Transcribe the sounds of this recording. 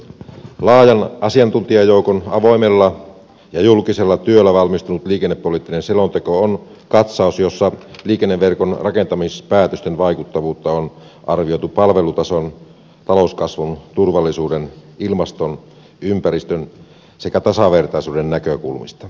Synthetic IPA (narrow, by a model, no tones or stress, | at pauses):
lɑːjɑnʔɑsiɑnt̪unt̪iɑjoukonɑʋo̞imelːɑ | jɑjulkiselːɑt̪yølːæʋɑlmist̪unut̪liːkenːepːolit̪ːinenselont̪ekoon | kɑt̪sɑˑusjosːɑliːkenːeʋʋerkonrɑkent̪ɑmispæːt̪øst̪enʋɑikut̪ːɑʋuːt̪ːɑon | ʔɑrʋijo̞t̪upɑlʋe̞lut̪ɑson | t̪ɑlouskɑsʋunt̪urʋɑlːisuːdenilmɑst̪on | ympæɾist̪øn | sekæt̪ɑsɑʋe̞rt̪ɑisuːdenːækøkṵlmist̪ɑ